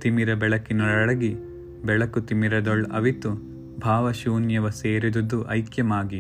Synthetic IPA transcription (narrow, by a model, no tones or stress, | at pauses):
t̪imiɾɐbɛɭɐkinɐɭɐɭɐɡi | bɛɭɐkut̪imiɾɐd̪ɔɭɐ̰ʋit̪u | bʱaːʋɐʃuːnjɐʋɐseːɾid̪ud̪uʔɐ̰jkjɐmaːɡi